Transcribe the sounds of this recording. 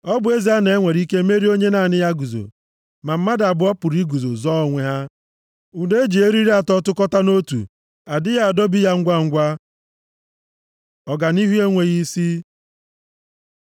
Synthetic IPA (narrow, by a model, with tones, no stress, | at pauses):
ɔ˦bʊ˨e˦zi˨a˦ne˨e˦ŋʷe˨ɾi˦ke˦me˦ɾi˦o˦ɲe˦na˨nɪ˦ja˦ɡu˨zo̰˨ | ma˨m̩˦ma˦da˨bʊ˨˦ɔ˦pʊ˨ɾi˦ɡu˨zo̰˨zɔ˦ɔ˨ŋʷe˨ɦa˦ | u˨de˦d͡ʒi˨e˦ɾi˦ɾi˦a˨tɔ˦tʊ˦kɔ˦ta˦no˦tṵ˨ | a˨dɪ˦ja˦a˨dɔ˦bi˦ja˦ŋ̩˦ɡʷa˦ŋ̩˦ɡʷa˦ | ɔ˨ɡa˨ni˦ɦu˦e˦ŋʷe˨ɣi˦si˦